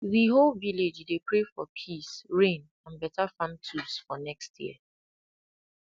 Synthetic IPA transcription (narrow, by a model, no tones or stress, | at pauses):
ðiɦolviled͡ʒdepʰɹefɔpʰisɹẽn | ãnbɛtafãntʰusfɔnɛkstʰjḭə